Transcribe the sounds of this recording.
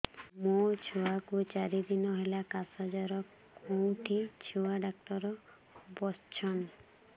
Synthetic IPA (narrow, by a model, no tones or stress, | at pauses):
mot͡ʃʰuwakut͡ʃaɾid̪inɔɦelakasad͡ʒaɾɔ | kowʈʰit͡ʃʰuwaɖakʈɔɾɔ | bɔst͡ʃʰɔn